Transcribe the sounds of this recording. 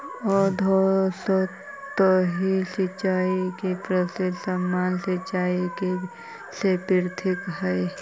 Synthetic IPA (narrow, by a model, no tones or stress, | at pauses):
ɔːɾd̪ʱosɔ | t̪oɦisɪt͡ʃaːikipɾəsɪd̪səmːaːnsɪt͡ʃaːike | sepɪɾt̪ʰɪkɦɛe